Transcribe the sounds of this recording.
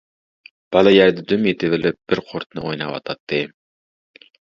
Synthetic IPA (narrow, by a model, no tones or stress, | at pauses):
b̥ɑlˠɑjæɾd̪ɛd̪ymjet̪ʰɪvɪlɪp̚b̥ɪɾqʰoɾt̪nɨ̰ʔojnɑwɑ̰t̪ʰɑt̪ʰːɨ